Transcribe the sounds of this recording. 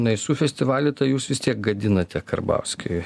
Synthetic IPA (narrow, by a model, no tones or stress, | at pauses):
nɐɪsuːfʲɛsʲt̪ʲɪʋɑːlʲʊt̪ɐɪjuːsʋʲɪst̪ʲiɛk̚ɡɐd̪ʲɪnɐt̪ʲɛkɐ̰rbɐ̰ʊsʲkʲɪɪ